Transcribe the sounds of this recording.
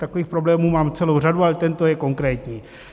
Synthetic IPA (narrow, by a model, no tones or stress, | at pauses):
t̪akoviːxpɾo̞blɛːmuːmaːmt͡sɛlo̞wradualɛt̪ɛnt̪ojɛko̞ŋkɾɛːt̪ɲiː